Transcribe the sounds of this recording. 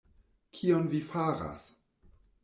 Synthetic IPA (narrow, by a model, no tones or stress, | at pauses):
kʰionvifaɾa̰s